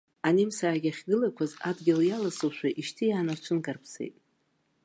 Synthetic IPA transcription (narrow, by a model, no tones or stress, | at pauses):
animsaːɡʲaχʲɡɨlakʷʰazadɡʲɪljalasɨwʃʷᶣaʔiʃtʰijaːnat͡ʃʷʰɨnkʼarpʰsḛjtʼ